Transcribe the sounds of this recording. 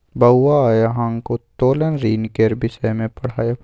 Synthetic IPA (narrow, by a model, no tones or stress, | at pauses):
bɐwwajaɦãːŋɡkot̪oːlənɾiːnkeɾbɪʃɛmẽpɐɽ̤aːja